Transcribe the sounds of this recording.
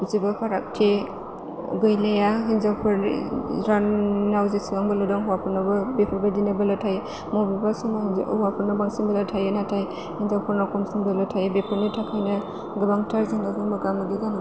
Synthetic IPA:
uzebapʰaɾak̚tʰe | ɡɯjlajaɦinzawpʰɯɾɾanawzesiŋaŋbɯlɯdɔŋɦuwapʰɯɾnabɐbepʰɯɾbadinabɐlatʰaj | mobibasɔŋhuwapʰɯɾnabaŋsiŋbɐlatʰajanatʰaj | hinzawpʰɯɾnakʰɔmsiŋbɐlatʰajbepʰɯɾnitʰakʰajnɐ | ɡɯbaŋtʰaɾzaŋɡazaŋbaɡamaɡiɡan

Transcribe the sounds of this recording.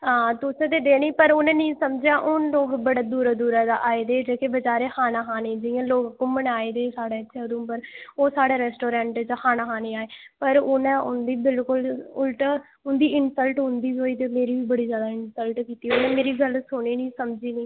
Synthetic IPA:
ɦãːt̪ʊsẽt̪eːd̪eːniːpəɾʊnẽːnĩːsəmd͡ʒjaːʔʊnloːɡbəɽaːd̪uːɾaːd̪uːɾad̪aːʔaːeːd̪eːd͡ʒeːkebəd͡ʒaːɾeːkʰaːnaːɦaːnẽːd͡ʒɪjãːloːɡkːoməɽ̃aːeːd̪eːsaːɽeːəːʃʰeːd̪õpəɾoːsaːɽaːɾɛːsʈoːɾɛ̃ːɳʈd͡ʒaːkʰaːnãːɦaːneːaːeːpəɾʊnɛ̃ːʊ̰nd̪iːbɪlkʊlʊlʈa | ʊnd̪iːɪnsəlʈɦʊ̃nd̪iːɦoːiːt̪eːmeːɾiːʋiːbəɽiːd͡ʒjaːd̪aːɪnsəlʈkiːt̪iːonẽːmeːɾiːɡəlsʊɳiːnĩːsəmd͡ʒiːniː

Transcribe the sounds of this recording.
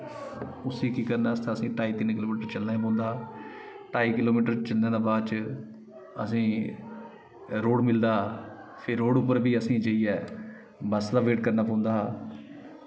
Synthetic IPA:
ʊsiːkiːkəɾnaːst̪ãːəsĩːʈaːiːt̪ɪnkɪloːmiːʈəɾt͡ʃəlnaːaːp̬ɔ̃ːnd̪aː | ʈaːiːkɪloːmiːʈəɾt͡ʃəlnẽːd̪aːbaːd̪t͡ʃ | ə̰sĩː | ɾoːɽmɪld̪aː | pʰɪɾːoːɖʊpːəɾʋiːəsĩːd͡ʒeiːɛː | bəsd̪aːʋeːʈ̚kəɾnaːpõːnd̪aː

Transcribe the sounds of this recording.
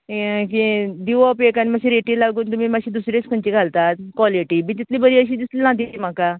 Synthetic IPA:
kid̪iʋɔpekanimaɕiɾeʈiːlaɡuːnt̪um̤iːmaɕiːd̪usɾiskʰəɲt͡ɕiːɡʱalt̪at̪kʋɔliʈiːmiːt̪it̪ʰliːbəɾiːəɕ̬iːd̪istlinãt̪̬iːt̪im̤aka

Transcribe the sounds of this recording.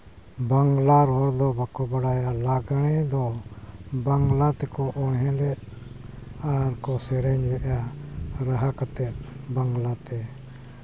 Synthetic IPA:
baŋɡlaɾɔɾd̪ɔbakɔbaɽajalaɡaɽ̃ɛd̪ɔ | baŋɡlat̪ɛkɔʔɔɽɦɛ̃lɛʔ̚ | aɾkɔsɛɾɛɲbɛʔaɾaɦakat̪ɛt̪̚baŋɡlat̪ɛ

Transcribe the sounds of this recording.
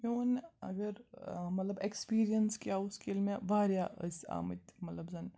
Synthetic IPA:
joːnɐ̰ɡəɾmɐt̪ləbekspiːɾijənskjaːʊskelmẽbʱaːɾjaʔəsa̰ːmət̪mɐt̪ləbzɐn

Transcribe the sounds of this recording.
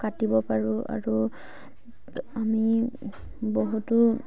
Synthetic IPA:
katibɔpaɹuʔa̰ɹu | ami | boɦutʊ

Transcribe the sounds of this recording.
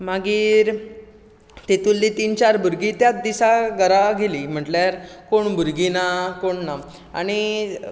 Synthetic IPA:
maɡiːɾ | t̪et̪ulːit̪iːnt͡ɕaɾbʱuɾɡit̪jat͡sd̪isaɡəɾaɡeliːm̤əʈljaɾkoɳbʱuɾɡinakoɳna | aɽ̃i

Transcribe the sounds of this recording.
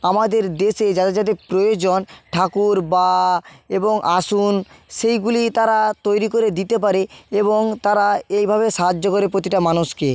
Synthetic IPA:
amad̪eɾd̪eʃed͡ʑat̪ed͡ʑat̪epɾojod͡ʑonʈʰakuɾbaeboŋʔaʃunʃejɡulit̪aɾat̪ojɾikoɾed̪it̪ep̬aɾeeboŋt̪aɾaejbʱaβeʃaɦadːokoɾepɾot̪iʈamanuʃke

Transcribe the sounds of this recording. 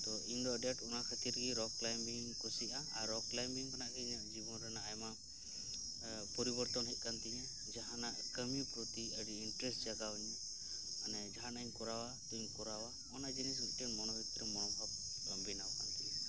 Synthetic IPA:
t̪ɔiɲd̪ɔəɖɛʈɔnakʰat̪iɾɡiɾɔklajmbiŋkusiʔaaɾɔklajmbiŋkanaʔɡɛiɲaʔd͡ʒibɔnɾɛnaːjma | pɔɾibɔɾt̪ɔnɦɛc̚kant̪ɛɲɛ̃ | d͡ʒaɦanaʔkəmipɾɔt̪iəɖiiɳʈɾɛsʈd͡ʒaɡawɲɛ | anɛd͡ʒaɦanaɲkɔɾawat̪ɔiɲkɔɾawa | ɔnad͡ʒinisiʈɛɳʈmɔnɔbʱit̪ɾɛmɔnɔbʱab̚ | ləmbʱinawkant̪ɛɛ

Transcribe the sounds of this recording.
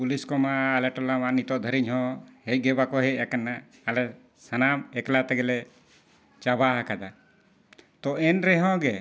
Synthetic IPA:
puliskɔmaːlɛʈɔlamanit̪ɔʔd̪ʱəɾiɲɦɔ̃hɛc̚ɡɛbakɔɦɛʔakanːaː | lɛ | sənamɛklat̪ɛɡɛlɛ | t͡ʃabaɦakad̪a | t̪ɔɛnɾɛɦɔ̃ɡɛ

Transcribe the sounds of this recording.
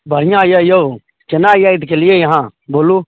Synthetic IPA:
bʱəɾ̤ɪjãjaːɪjoo | t͡ʃɐnãːɪjaːɪt̪kelɪjejɦãːboːluː

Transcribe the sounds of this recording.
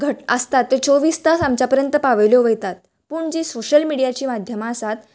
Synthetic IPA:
ɡʱəʈəst̪at̪ːet͡soʋiːst̪asamt͡ɕapəɾjənt̪əpaʋəljɔʋəjt̪at̪ | puːɳd͡ʑiːsoɕəlmiɽijat͡ɕiːmad̪ʱjəmaəsat̪

